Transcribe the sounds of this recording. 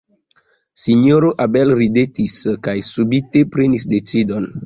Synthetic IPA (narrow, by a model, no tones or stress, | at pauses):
siɲoɾoʔabelɾidetiskajsubite̞pɾenisdet͡sidon